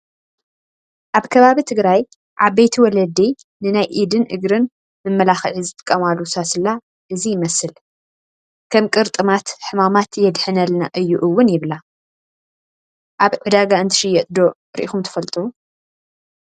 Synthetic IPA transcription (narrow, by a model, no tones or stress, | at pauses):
ʔaβkʰɐβaβit̪ʰɨɡɾaj | ʕaβejt̪ʰiwɔlɐd̪i | nɨnajʔid̪ɨnʔɨɡɾɨn | mɨmːɐlaxʕizɨt̪ʼɨ̥kʼːɐmalusasɨlːa | ʔɨzijɪmɐsɨl | kʰɐmkʼɨɾt̪ʼɨmat̪ħɨmamat̪jɛd̪ħɨnɐlnaʔɨjːuʔɨwːʊnjɪβla | ʔaβʕɨd̪aɡaɨnt̪ʰɨ̥ʃɨjːɛt̪ʼd̪o̞ | ɾḭʔixumt̪ʰɐ̥fɐlt̪ʼu